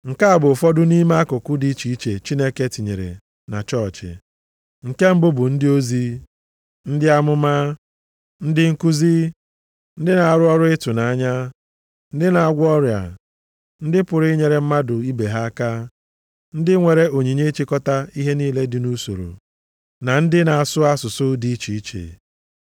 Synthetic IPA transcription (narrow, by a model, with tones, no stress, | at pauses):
ŋ̩˨ka˦a˦˨bʊ˨fɔ˦dʊ˦ni˦ma˦a˦kʊ˨kʊ˦di˦t͡ʃi˨i˦t͡ʃe˨t͡ʃi˦ne˦ke˦tɪ˨ɲḛ˨ɾḛ˨ | na̰˨t͡ʃɔ˦˨t͡ʃɪ̰˨ | ŋ̩˨ke˦m̩˦bʊ˦bʊ˨n̩˦dɪ˦o˦zi˦ | n̩˦dɪ˦a˦mʊ˦ma˦ | n̩˦dɪ˦ŋ̩˦ku˦zi˦ | n̩˦dɪ˦na˨a˨ɾʊ˦ɔ˦ɾʊ˦ɪ˦tʊ˨na˨a˦ɲa˦ | n̩˦dɪ˦na˨a˨ɡʷɔ˦ɾja̰˨ | n̩˦dɪ˦pʊ˨ɾɪ˦ɲe˨ɾe˨m̩˦ma˦dʊ˨i˦be˨ɦa˦a˦ka˦ | n̩˦dɪ˦ŋʷe˨ɾe˦o˨ɲi˨ɲe˦t͡ʃi˦kɔ˦ta˦i˦ɦe˦niː˦le˦dɪ˨nu˦so̰˨ɾo̰˨ | na˨n̩˦dɪ˦na˨a˨sʊ˦a˦sʊ˨sʊ˦di˦t͡ʃi˨i˦t͡ʃḛ˨